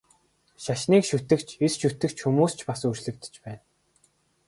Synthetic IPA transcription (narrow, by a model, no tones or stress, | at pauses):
ʃaʃniːkʃut̪ɘ̆kt͡ɕʰesʃut̪ɘ̆kt͡ɕʰxumuːst͡ɕʰpasut͡ɕɮɘ̆kt̪ɘ̥̆t͡ɕpæːn